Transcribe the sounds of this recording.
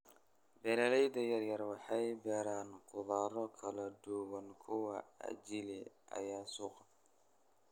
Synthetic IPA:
bɛːlɐlɛjd̪ɐjɐrjɐrwɑħɑjbɛːɾaːnqʊðaːɾɔkʰɐlɐd̪ʊwɐnkʰʊwɐɐ̰d͡ʒɪlɪʔɐ̰jaːsuːqɑ

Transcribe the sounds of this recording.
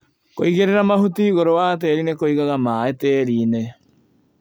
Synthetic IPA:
koiɣeɾeɾamaɦutiːɣoɾowaːt̬eːɾinekoiɣaɣamaːeteːɾiːne

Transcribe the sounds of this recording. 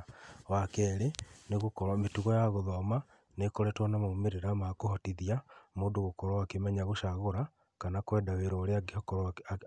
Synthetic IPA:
wakɛɾeneɣokɔɾametuɣɔjaɣoðɔma | nekoɾɛtwanamaomeɾeɾamakohɔtiðiamoːdoɣokɔɾɔakemɛɲaɣoʃaɣoɾa | kanakwɛːdaweɾɔɾeaɡkɔɾ

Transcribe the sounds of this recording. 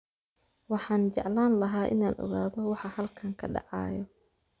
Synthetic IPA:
wɑħɑːnt͡ʃɛʕlaːnlɐɦaːʔɪ̰naːnʔɔ̰ɣaːðɔwɑħɑhɐlkʰɐŋkʰɐɖɑ̰ʕɑ̰ːjɔ

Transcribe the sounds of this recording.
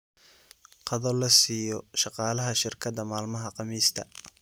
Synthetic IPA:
qɑðɔlɐsiːjɔʃɑqɑːlɐɦɐʃɪrkʰɐd̪ɐmaːlmɐɦɐqɑmiːst̪ʰɐ̰

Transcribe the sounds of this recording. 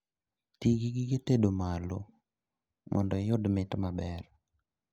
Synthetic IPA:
tiɡiɡiɡetedomalo | mʔɔ̰ndɔjʊdmɪtmabɛr

